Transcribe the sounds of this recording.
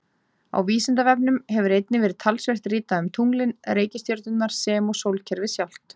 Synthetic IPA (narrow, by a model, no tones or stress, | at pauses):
a̰wviːsɪnt̪avɛp̚nʏmhɛvʏɾejt̪nɪvɛːɾɪðt̪ʰalsve̥t̪riːt̪aʏmt̪ʰuŋlɪnɾeːjcɪst̪joɾt̪ʏt̪naɾ̥sɛːmɔsowlcʰɛɾvɪsjawl̥t̪